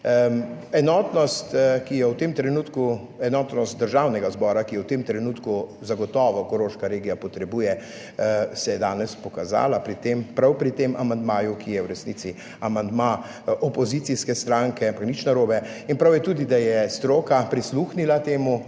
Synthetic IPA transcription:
ɛnɔːt̪nɔst̪kijɔwt̪emt̪ɾɛnuːt̪ku | ɛnɔːt̪nɔst̪̚d̪əɾʒaːwnɛɡazbɔːɾakijɛwt̪emt̪ɾɛnut̪kuzaɡɔt̪ɔːʋɔkɔɾoːʃkaɾeːɡijapɔt̪ɾɛbuːjɛ | sɛjɛd̪aːnɛspɔkaza̰ːlapɾit̪empɾawpɾit̪emʔamand̪maːjukʰijɛwɾɛsnit̪si | amand̪ma | ɔpɔzit̪siskɛst̪ɾaŋkɛampaknit͡ʃnaɾoːbɛinpɾawjɛt̪uːd̪id̪ajɛst̪ɾoːkapɾisluxnilat̪eːmu

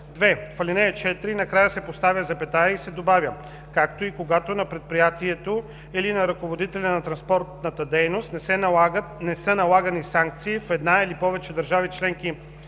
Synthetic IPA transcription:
d̪vɛfɐlʲinɛɛt͡ʃɛt̪ɾinɐkɾajəsɛpost̪avʲjəzɐpɛt̪ajəisɛd̪obavjə | kakt̪oikoɡat̪onɐpɾɛt̪̚pɾijat̪iɛt̪o | ilinɐɾɐkovod̪it̪ɛlʲɐnɐt̪ɾɐnspɔɾt̪nɐət̪əd̪ɛjnost̪nɛsɛnɡət̪nɛsənɐlˠaɡɐnisaŋk̚t̪siːfɛd̪nailipɔvɛt͡ʃɛd̪ɐɾʒavit͡ʃlɛŋki

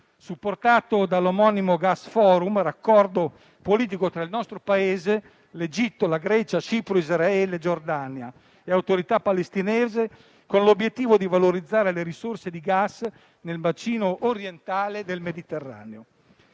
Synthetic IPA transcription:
supːort̪aːt̪od̪alomɔːnimoɡasfɔːɾumɾakːɔrd̪o | poliːt̪̬ikot̪ɾailnɔst̪ɾopaeːze | led͡ʒit̪ːolaɡɾɛt͡ʃat͡ʃiːpɾoizɾaɛːled͡ʒord̪anja | eawt̪oɾit̪apːalest̪inɛeːze | konlobjet̪ːiːvod̪ivaloɾid̪zːaːɾeleɾisorsed̪iɡas | nelvat͡ʃiːnoʔːɾjent̪aːled̪elmed̪it̪erːa̰ːneo

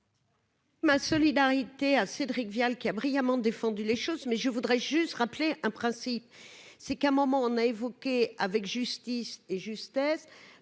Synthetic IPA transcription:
masɔlid̪aʁit̪eased̪ʁikvjalkʲiabʁijamɑ̃d̪efɑ̃d̪yleʃozmɛʒəvud̪ʁɛʒyst̪ʁapleʔɛ̃pχɛ̃sipsɛkɛ̃mɔmɑ̃ɔ̃naevɔkʲeavɛkʒyst̪iseʒyst̪ɛs

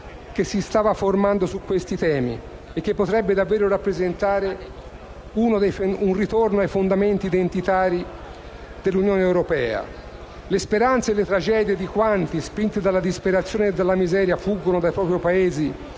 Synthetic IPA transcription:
k̟esːist̪aːvaformand̪osukːwest̪it̪ɛːmḭ | ekːepːot̪ɾɛbːed̪avːeːɾoɾapːɾezent̪aːɾe | unod̪ejfunrit̪ornoajfond̪ament̪iːd̪ent̪it̪aːɾi | d̪elːunjoːneːwɾopɛ̰ːa̰ | lespeɾant̪seːlːet̪ɾad͡ʒɛːd̪jed̪ikwant̪ispint̪ed̪alːad̪ispeɾat̪sːjoːneːd̪ːalːamizɛːɾjafuɡːonod̪ajpɾɔːpɾjopaeːzi

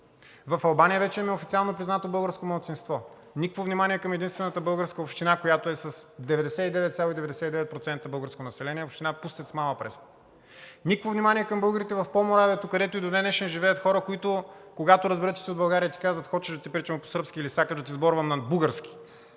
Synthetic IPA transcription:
vɐfɐlˠbanijəvɛt͡ʃɛɛmɛofit̪sialˠnopɾʲiznat̪obɤlˠɡəɾskomɐlˠt̪sinst̪vɔ | nikvovnimaniɛkɐmɛd̪inst̪vɛnət̪əbɤlˠɡəɾskəopʃt̪inakojat̪oɛsɐsd̪ɛvɛd̪ɛsɛt̪id̪ɛvɛt̪sʲjalˠoid̪ɛvɛd̪ɛsɛt̪id̪ɛvɛt̪̚pɾot̪sɛnt̪əbɤlˠɡəɾskonɐsɛlɛniɛopʃt̪inapust̪ɛt̪smalˠəpɾɛ̰s | nikvovnʲimaniɛkɐmbɤlˠɡəɾit̪ɛvɐfpomoɾaviət̪okɐd̪ɛt̪oid̪onɛnɛʃɛnʒivɛɐt̪xɔɾəkoit̪ʊkoɡat̪oɾəzbɛɾət̪t͡ʃɛ̥siod̪bɐlˠɡaɾijət̪i̥kazvɐt̪xɔt͡ʃɛʒd̪ɐt̪ipɾit͡ʃɛmpo̥səɾpskiːlisakəʒd̪ɐt̪̬izbɔɾvəmnɐbuɡəɾsk̟i̥

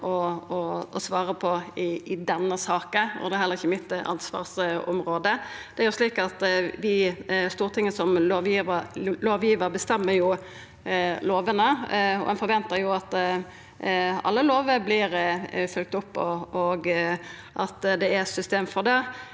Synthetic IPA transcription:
ʔɔɔɔsʋɑːɾəpʰɔɪɪd̪ɛnːəsɑːkəɔ̰d̪ɛhɛləʁɪçːəmɪt̪ːɑ̰nsʋɑ̰ːʁsɔmɾoːd̪əd̪̥ɛæɾjʊʂliːkɑt̪ʋɪst̪uːɾt̪ʰɪŋːəsɔmloːʋjiːʋəloːʋjiːʋəɾbəst̪ɛmːəɾjʊ | loːʋənəɔ̰hɛnfɔɾʋɛnt̪əɾjʊɑt̪ | ɑ̰lːəloːʋəblɪɾfʏlk̚t̪ʊpːɔɔɡ | ʔɑt̪d̪ɛæsʏst̪eːmfɔʁd̪ɛ

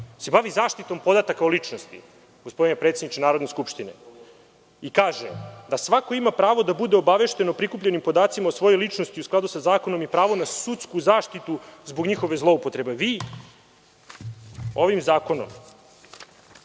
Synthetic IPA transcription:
se̞baʋizaːʃt̪it̪o̞mpo̞d̪at̪akaolit͡ʂnost̪ḭ | ɡ̥ospd̪inepɾet̪sed̪nit͡ʃenaːɾo̞d̪neskupʃt̪inḛ | ikaːʒḛd̪asʋako̞imapɾaːʋo̞d̪abud̪eo̞baʋe̞ʃt̪e̞nopɾikupʎenimpo̞d̪aːt̪simaosʋo̞jojlit͡ʂnost̪iusklˠad̪usazaːko̞no̞mipɾaːʋonasut̪skuzaːʃt̪it̪uzbo̞ɡɲixo̞ʋe̞zlˠo̞upot̪ɾe̞beʋiː | o̞ʋimzaːko̞nom

